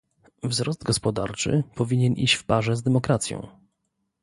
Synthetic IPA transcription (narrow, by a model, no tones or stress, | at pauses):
vzɾɔzd̪̚ɡɔspɔd̪a̰ɾt͡ʂɘ̰pɔvʲiɲɛnʔḭɕt͡ɕfpaʐɛzd̪ɛmɔkɾat̪sʲjɔ̰̃w̃